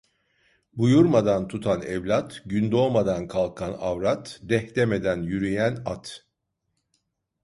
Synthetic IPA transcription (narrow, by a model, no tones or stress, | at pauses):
bujuɾmad̪ant̪ʰut̪ʰanɛvlʲat̪ɟynd̪oːmad̪ankʰalˠkʰanavɾat̪d̪ɛht̪eme̞d̪ænjyɾyjænat̪